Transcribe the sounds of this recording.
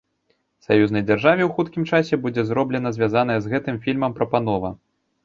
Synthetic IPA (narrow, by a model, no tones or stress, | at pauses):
sajuznɐjd͡zʲarʐavʲɛwxut̪kʲimt͡ʂasʲɛbud͡zʲɛzɾɔblʲɛn̪ɐzʲvʲazan̪ɐjɛzɣɛt̪ɨmfʲilʲmɐmpɾɐpanɔvɐ̰